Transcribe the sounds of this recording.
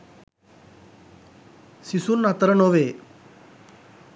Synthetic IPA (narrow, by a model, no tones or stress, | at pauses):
sisunːat̪ɾənoʋeː